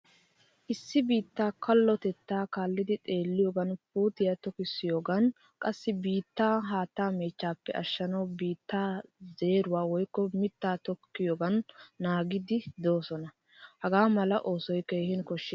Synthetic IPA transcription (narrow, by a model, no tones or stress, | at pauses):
ʔɪsːɪbiːt̪ːaːkʰɐlːɔt̪ɛt̪ːaːkaːlːɪd̪ɪt̪ʼe̞ːlːɪjoːɡɐnpuːt̪ɪjat̪ɔkɪsːɪjo̞ːɡɐn | kʼɐsːɪbiːt̪ːaːɦaːt̪ːaːmeːt͡ʃːaːpːɛʔɐʃːɐnɐwbiːt̪ːaːze̞ːɾʊwaːwɔjkːɔmɪt̪ːaːt̪ɔkːɪjoːɡɐnːaːɡɪd̪ɪd̪o̞ːsɔnɐ | hɐɡaːmɐlɐʔo̞ːsɔjkeːhɪnkɔʃːɪ